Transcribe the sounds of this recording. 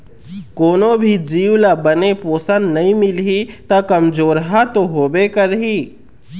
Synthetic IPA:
koːnõbʱid͡ʒiːwlabɐnepoːsənd̪nɐɦĩmɪlɦit̪akɐmd͡ʒoːɾɦat̪oɦoːbekɐɾɦiː

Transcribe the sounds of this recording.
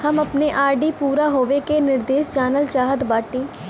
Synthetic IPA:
həməpneːʔaːɾɖiːpuːɾaːɦoːʋeːkeːnɪɾd̪eːʃd͡ʒaːnəlt͡ʃaːɦəd̪baːʈiː

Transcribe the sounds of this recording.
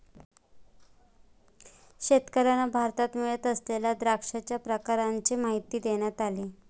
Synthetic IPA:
ɕet̪kəɾanabʱaɾt̪at̪meɭət̪əslelad̪ɾakʂat͡ɕjapɾəkaɾaɲt͡ɕemaɦit̪ːiːd̪eɳ̃jat̪aliː

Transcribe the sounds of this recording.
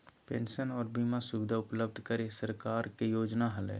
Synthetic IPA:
pẽːnʃənɔːɾbiːmasʊʋɪd̪ʱaʊpləb̚d̪ʱkəɾesəɾkaːɾkejoːd͡ʒnaɦɐlḛː

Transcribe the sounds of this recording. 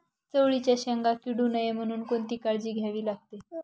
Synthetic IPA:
t͡səʋɭit͡ɕjaɕəŋɡakiɽuːnəjem̤əɽ̃uːnkont̪iːkaɭd͡ʑiːɡʱjaʋiːlaɡ̚t̪e

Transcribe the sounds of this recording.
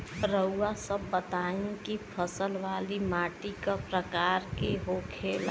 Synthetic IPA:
ɾəuːasəbːət̪aːẽkipʰəsəlʋaːlimaːʈikapɾəkaːɾkeɦokʰeːl

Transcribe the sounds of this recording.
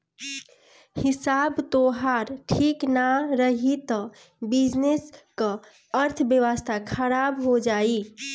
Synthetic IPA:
hisabt̪oɦaɾʈʰiknaɾəɦit̪ə | bid͡ʒneskə | əɾt̪ʰbjəʋəst̪ʰakʰəɾabɦod͡ʒai

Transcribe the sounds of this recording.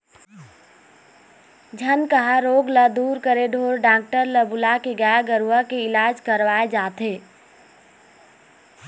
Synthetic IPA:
d͡ʒʱənkəɦaɾoːɡləd̪uːɾkəɾeɖʱoːɾɖãːk̚ʈəɾləbʊlakeɡaaɡəɾuʋakeɪlaːd͡ʒkəɾʋaːed͡ʒaːt̪eː

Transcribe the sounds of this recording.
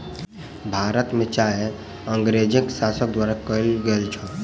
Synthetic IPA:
bʱaɾət̪met͡ʃaɦe | əŋɡɾed͡ʒɪksasək̚d̪waɾakəlɡelt͡ʃʰɔ

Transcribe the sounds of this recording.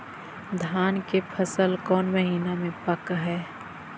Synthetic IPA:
d̪ʱaːnkepʰɐsəlkɔːnməɦiːnamẽpɐkɦɛː

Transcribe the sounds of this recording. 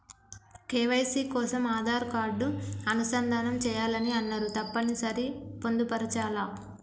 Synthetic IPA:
keːʋɐjsiːkɔːsɐmaːd̪ʱaːɾkaːɾɖuɐnusɐnd̪ʱaːnɐmt͡ʃɛːjaːlɐniɐnːɐɾut̪ɐpːɐnisɐɾipo̞nd̪upɐɾɐt͡ʃaːlaː

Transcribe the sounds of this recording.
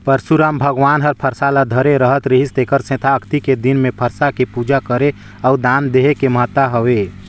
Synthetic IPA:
pəɾsuɾaːmbʱəɡʋaːnɦəɾpʰəɾsalad̪ʱəɾeɾəɦət̪ɾiɦist̪ekəɾsẽːt̪ʰaːkʰt̪iked̪inmẽpʰəɾsakepuːd͡ʒakəɾe | ɔːd̪aːnd̪eɦekeməɦət̪ːaɦəʋe

